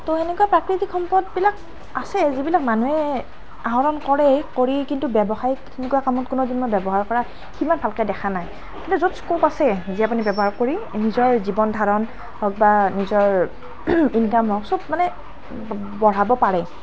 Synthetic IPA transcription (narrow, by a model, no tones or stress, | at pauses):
toenɛkuapɹakɹitikʰxɔmpɔt̚bilak | asɛzibilak̚manuɛ | aɦɔɹɔnkɔɹɛkoɹikintubɛbɔxajkenɛkujakamɔt̚kʊnɔzinmɔjbɛbɔɦaɹkɔɹa | ximanbʱalkajdɛxʰanaj | kintuzotskopasɛziap̬unibɛbɔɦaɹkoɹinizɔɹzibɔndʱaɹɔn | hɔk̚banizɔɹ | inkamɦɔksɔb̚manɛ | bɔɹabɔpaɹɛ